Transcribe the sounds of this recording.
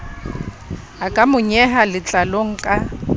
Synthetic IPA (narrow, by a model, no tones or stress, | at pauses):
akʼamʊɲɛɦalɪt͡ɬʼaloŋ̩kʼa